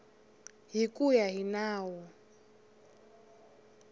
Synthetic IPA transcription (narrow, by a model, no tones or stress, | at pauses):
ɦikʼujaɦinaːwɔ